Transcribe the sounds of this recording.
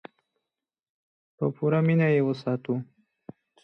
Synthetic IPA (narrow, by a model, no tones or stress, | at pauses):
pə̰puɾaminajewəsɑt̪u